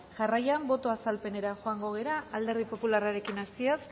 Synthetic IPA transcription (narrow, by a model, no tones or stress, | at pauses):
ʝarajambo̞t̪o̞asalpe̞ne̞ɾaʝo̞aŋɡo̞ɣ̞e̞ɾaald̪e̞ɾðipo̞pularaɾe̞kinast̪ios